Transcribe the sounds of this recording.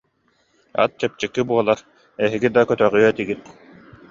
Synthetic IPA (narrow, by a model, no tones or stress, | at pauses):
a̰t̪̚t͡ɕɛp̚t͡ɕɛkːibuɔlˠaɾ | ɛɦiɡid̪akœt̪œʁyœt̪iɡit̪̚